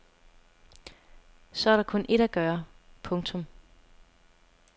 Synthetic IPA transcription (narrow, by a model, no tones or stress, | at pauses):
sɒ̽æɐɾɑ̈kʰɔ̽nʔe̝ɾ̥æɡ̥ɶːɐpʰɔ̽ŋt͡sʰɔ̽m